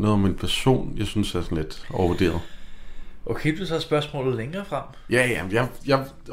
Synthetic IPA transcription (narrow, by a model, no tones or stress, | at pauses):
nɔ̽ːð̩ˠɒ̽me̝npʰæɐso̝̰ːnjɑ̈ɪsynsæɐsɒ̽n̩led̥ɒʊɐʋud̥e̝̰ːɐð̞ˠ | ʔokʰeɪb̥esɒæsb̥ɶɐsmɔ̰̽ːlð̩ˠleŋɐːfʁɑm̰ | jæjæjɑ̈ɪjɑ̈ɪ